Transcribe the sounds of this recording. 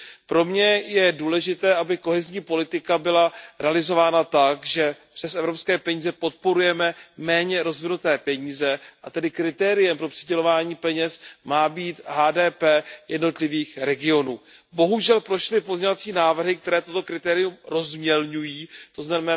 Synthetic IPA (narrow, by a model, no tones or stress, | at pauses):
pɾo̞mɲɛjɛduːlɛʒɪt̪ɛːʔabɪko̞ɦɛzɲiːpo̞lɪt̪ɪkabɪlaɾɛalɪzo̞vaːnat̪akʒɛpr̥ɛsʔɛvɾo̞pskɛːpɛɲiːzɛpo̞t̪̚po̞ɾujɛmɛmɛːɲɛɾo̞zvɪnut̪ɛːpɛɲiːzɛʔat̪ɛdɪkɾɪt̪ɛːɾɪjɛmpɾo̞pr̥ɪɟɛlo̞vaːɲiːpɛɲɛsmaːbiːt̪ɦaːdɛːpɛːjɛdno̞t̪lɪviːxɾɛɡɪo̞nuːbo̞ɦuʒɛlpɾo̞ʃlɪpo̞zɲovat͡siːnaːvr̩ɦɪk̚t̪ɛɾɛːt̪ot̪o̞kɾɪt̪ɛːɾɪumɾo̞zmɲɛlɲujiːt̪o̞znamɛ